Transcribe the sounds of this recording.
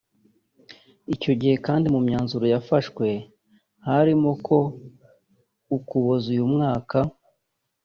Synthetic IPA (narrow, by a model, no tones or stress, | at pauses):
ico̞ɟihe̞kaːndimumɲaːnzuɾo̞jafaʃkwe̞ | haɾimokʰo̞ | ukuβozujumŋaːka